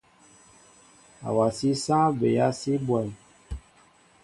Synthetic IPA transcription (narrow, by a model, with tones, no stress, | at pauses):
a̰˨wa˨si˦sãː˦be˨ja˦si˦bwa˨j